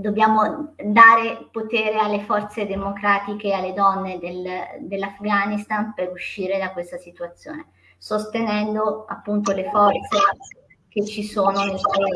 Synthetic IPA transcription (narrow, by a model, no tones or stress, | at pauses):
d̪objaːmod̪aːɾepot̪eːɾealːefɔrt̪sed̪emokɾaːt̪ikealːed̪ɔnːed̪eld̪elːafɡanist̪anpeɾuʃːiːɾed̪akwest̪asit̪uat̪sːjo̰ːne | sost̪enɛnd̪oapːunt̪olefɔrt̪se | k̟et͡ʃːisoːnonelte